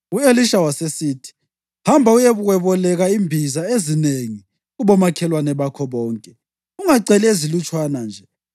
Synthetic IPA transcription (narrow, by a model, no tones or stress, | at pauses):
ueliʃawasesiːtʰi̥ | hambʱaujɛβuɣɛβɔlɛɣaimbʱizaezineŋi | ɣuβɔmakʰɛlwanɛβakʰɔβɔːŋkʼɛ | uŋaǀɛlezilut͡ʃʼwanand͡ʒʱɛ